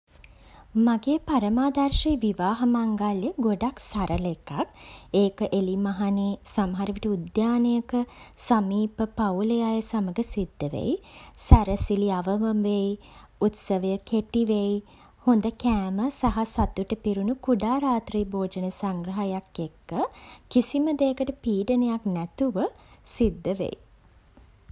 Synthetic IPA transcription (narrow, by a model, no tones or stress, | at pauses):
maɡeːpaɾəmaːd̪arʃejʋiʋaːɦɐmaŋɡaljəɡoɖaksaɾʔəlekakeːkəʔelimaɦaneːsamɐɦaɾiʋiʈəud̪jaːnejəkəsamiːpəpauləjaːjəsaməɡəsid̪ːəʋḛjsaɾəsiliaʋəʋəmʋej | ut̪səʋəjəkeʈiʋej | hond̪əkæːməsaɦasat̪uʈəpiɾunukuɖaːɾaːt̪ɾijboːd͡ʒənəsaŋɡɾəɦajakːekːəkisiməd̪eːəkəʈəpiːɖənejaknæt̪uʋəsid̪ːəʋḛji